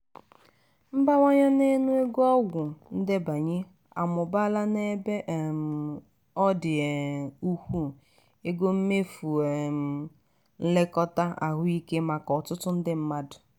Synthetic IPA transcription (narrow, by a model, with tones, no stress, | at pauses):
m̩˦ba˦ŋʷa˦ɲa˦ne˦nu˦e˦ɡɔ˦ɡʷʊ˨n̩˦dɪ˦ba˨ɲe˦ | a̰˨mʊ˨ba˦la˦ne˦be˦ʔm˨ | ɔ˦dɪ˨u˦hʷu˦˨ | e˦ɡo˦m̩˦me˦fu˨e˨m˨ | n̩˦lɪ˦kɔ˦ta˦a̰˨ɦʊ˦i˦ke˦ma˨kɔ˨tʊ˦tʊ˦n̩˦dɪ˦m̩˦ma˦dʊ˨